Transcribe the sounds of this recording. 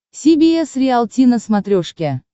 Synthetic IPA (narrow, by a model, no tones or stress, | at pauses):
sʲibʲiesrʲɪalˠt̪ʲinəsmat̪ɾʲoʂkʲæ